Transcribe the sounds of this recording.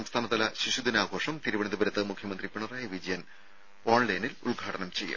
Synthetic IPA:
ɐmst̪ʰaːnɐt̪ːɐlɐɕiɕud̪inaːɡʱo̞ːʂɐmt̪iɾuʋɐɳid̪ubɐɾɐt̪ːɐmukʰjɐmɐnd̪ripiɳɐraːjɐʋid͡ʑɐjɐn | o̞ːɳlɐjnilṵɭɡʱaːʈɐnɐmt͡ɕe̞jːɐ̰

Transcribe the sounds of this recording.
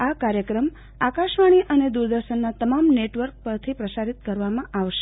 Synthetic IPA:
akaɾjəkɾəm | akaʃʋaɽ̃iʔəned̪uɾd̪əɾʃənːat̪əmamneʈʋəɾk̚pəɾt̪ʰipɾəsaɾit̪kəɾʋamãʔaʋʃe

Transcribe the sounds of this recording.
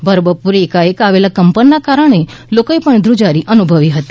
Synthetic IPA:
bʱəɾbəpuɾekaekaʋelakəmpənːakaɾəɳ̃e | lokoepəɳd̪ɾud͡ʒaɾiʔənubʱəʋiɦət̪i

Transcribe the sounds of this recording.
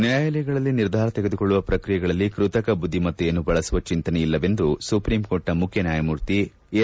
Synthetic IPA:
njajɐljɐɡɐɭɐlːiniɾd̪ʱaːɾɐt̪eɡed̪ukoɭːuʋɐpɾɐkɾijɐɡɐɭɐlːikɾut̪ɐkɐbud̪ʱːimɐt̪ːujɐnːubɐɭɐsuʋɐt͡ʃint̪ɐnɛilːɐʋe̞nd̪usupɾiːmko̞ːɾʈːɐmukʰjɐnjaːjɐmuːɾt̪i

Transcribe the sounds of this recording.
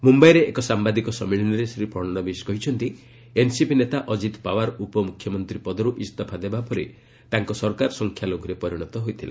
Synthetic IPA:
mumbajɾeekɔsambad̪ikɔsɔmiɭinɔɾesɾipɔɾnɔbiskɔɦit͡ʃʰɔnt̪i | ensipinet̪aʔɔd͡ʒit̪pawaɾɔupɔmukʰjɔmɔnt̪ɾipɔd̪ɔɾuʔist̪apʰad̪ebapɔɾi | t̪aŋkɔsɔɾkaɾɔsɔŋkʰjaloɡɔɾepɔɾiɽ̃ɔt̪ɔɦojt̪ʰila̰

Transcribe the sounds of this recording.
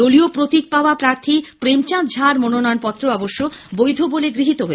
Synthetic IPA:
oliopɾot̪ik̚paoapɾaɾt̪ʰipɾemt͡ɕãt̪d͡ʑʱaɾmononɔjonpɔt̪ːɾoɔboʃːobojd̪ʱoboleɡɾiɦit̪oɦoe

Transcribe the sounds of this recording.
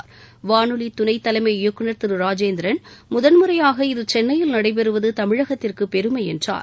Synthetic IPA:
ɾʋaːnɯlit̪ʊnɐɪt̪ːɐlɐɪmɐɪjɔkːɯɳɐɾt̪ɪɾɯɾaːd͡ʒeːnd̪ɪɾɐnmʊðɐnmɯɾɐjaːɣɐɪðɯt͡ʃɛnːɐjɪlnɐɽɐɪp̬ɛɾɯʋɐðɯt̪ɐmɪɻɐɣɐt̪ːɪrkɯpɛɾɯmɐɪɛndra̰ːɾ

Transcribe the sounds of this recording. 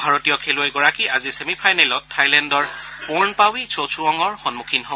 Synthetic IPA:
bʱaɹɔtijɔkʰeluojɡɔɹakiʔazisemipʰajnɛlɔtʰːajlɛndɔɹpɔɹnpawisosʰuɔŋɔɹxɔnmukʰinɦɔ

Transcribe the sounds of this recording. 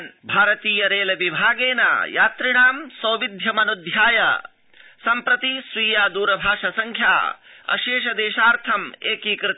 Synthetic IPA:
nbʱaːɾɐt̪iːjɐɾeːlɐʋibʱaːɡeːna̰jaːt̪ɾiɳaːmsɐːʋid̪ʱjɐmɐnud̪ʱjaːjɐ | sɐmpɾɐt̪isʋiːjaːd̪uːɾɐbʱaːʂɐsɐŋkʰja̰ː | ɐ̰ʃeːʃ̬ɐd̪eːʃaːɾt̪ʰɐmeːkikɾɪt̪

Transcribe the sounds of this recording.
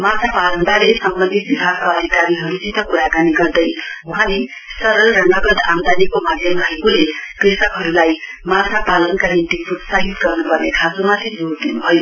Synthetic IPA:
masʰapalʌnb̪aɾesʌmbʌnd̪ʱit̪̚bibʱaɡ̚kaʌd̪ʱikaɾiɦʌɾud͡zit̪ʌkuɾakaniɡʌrd̪ʌjuɦãle | sʌɾʌlɾʌŋɡaɡʌd̪and̪anikomad̪ʱjʌmrʌɦekulekresʌkɦʌɾulaj | masʰapalʌnkanint̪ipʰud̪saɦit̪ɡʌrnupʌrnekʰasomat̪ʰid͡zoɾd̪inubʱʌjo

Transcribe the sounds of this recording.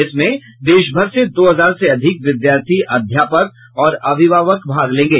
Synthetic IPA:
ɪsmẽ | d̪eːʃbʱəɾsed̪oːɦɐzaːɾseɐd̪ʱɪkʋɪd̪jaːɾt̪ʰiʔɐd̪ʱjaːpək̚ | ɔːɾɐʋʱɪʋaːʋəkbʱaːɡlẽːŋɡeː

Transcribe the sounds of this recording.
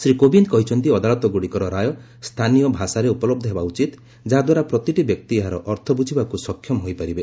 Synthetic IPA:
sɾikobind̪kɔɦit͡ʃʰɔnt̪̬iɔd̪alɔt̪ɔɡoɽikɔɾɔɾajɔ | st̪ʰanijɔbʱasaɾeupɔlɔb̚d̪ʱɔɦebaut͡ʃit̪ | d͡ʒaɦad̪waɾapɾɔt̪iʈibjɔk̚t̪ieɦaɾɔʔɔɾt̪ʰɔbud͡ʒʰʱibakusɔkʰːjɔmɦojpaɾibe

